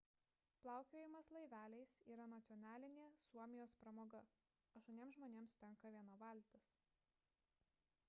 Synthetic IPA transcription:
plˠɑˑʊkʲoːjɪmɐslˠɐɪʋʲæːlʲɛɪsiːɾɐnɐt̪sʲɔnʲæːlʲɪnʲeːsuɔmʲɪjoːspɾɐmoːɡɐ | ɐʃt̪unʲeɛmszʒmoːnʲeːmst̪ʲɛŋkɐʋʲiɛnɐʋɐˑlʲt̪ʲɐs

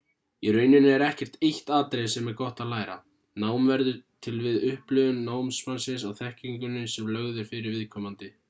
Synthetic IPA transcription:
iɾœːɥnʏnɪɛɾɛhcɛr̥t̪ejht̪aːt̪ɾejsɛmɛɾkɔht̪aðlaːjɾa̰ | naːwmvɛɾðʏt̪ʰɪlvɪðʏhplʏðʏnːaːwmsfansɪs̬awθɛhciŋkʏnːʏsɛmlœɣðʏɾ̥fɪɾɪɾvɪðkʰɔːmant̪ɪ

